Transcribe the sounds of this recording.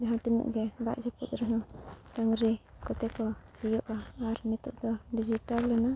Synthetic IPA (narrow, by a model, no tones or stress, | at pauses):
d͡ʒaɦãt̪inṵʔɡɛba̰ʔd͡ʒɔput̪ɾɛɦɔ̃ʈaŋɾikɔt̪ɛkɔsijɔʔaːɾnɛt̪uʔd̪ɔɖid͡ʒiʈallɛna